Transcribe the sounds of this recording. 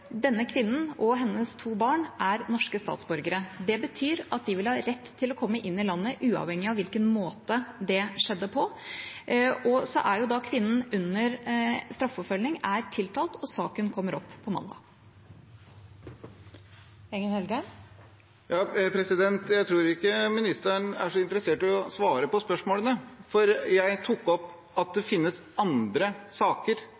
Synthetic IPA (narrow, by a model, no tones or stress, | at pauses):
d̪ɛnːəkʰʋɪnːən̩ʔɔɦɛnːəst̪ʰuːbɑːɳʔæɾnɔʂkəst̪ɑ̰ːt̪sbɔɾɡəɾəd̪ɛbət̪ʰyːɾɑt̪̚d̪ɪʋɪlhɑːɾɛt̪ːt̪ʰːɪlɔkʰɔmːəʔɪnːɪlɑnːəʔʉːɑ̰ʋhɛŋːɪɑʋɪlkənmoːt̪əd̪ɛʂɛd̪ːəpʰɔ | ʔɔsɔʔæɾjʊd̪ɑkʰʋɪnːən̩ʉnːəɾst̪ɾɑfɔpfœlnɪŋæɾt̪ʰɪlt̪ʰɑːlt̪ʰɔsɑːkənkʰɔmːəɾɔpːpʰːɔmɑ̰nd̪ɑ̰ː | ɛŋːənhɛlɡə | jɑːpʰɾɛsɪd̪ɛnt̪jæɪt̪ʰɾuːɾɪkːəmɪnɪst̪əɳæ̰ʂɔɪnt̪əɾəseːʈɔsʋɑːɾəpɔspœʂmoːlənəfɔɾjæɪt̪ʰʊkːɔpː | ɑt̪̚d̪ɛfɪnːəs | ɑnd̪ɾəsɑːkəɾ